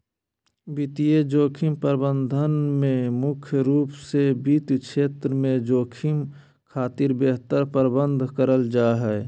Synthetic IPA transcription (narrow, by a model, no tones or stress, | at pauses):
bɪt̪ijed͡ʒoːkʰimpəɾbə̃nd̪ʱənmẽmʊkʰjəɾuːpsebiːt̪kʃeːt̪ɾəmẽd͡ʒoːkʰim | kʰaːt̪iɾbeːɦt̪əɾpəɾbə̃nd̪ʱkəɾəld͡ʒaːɦɛ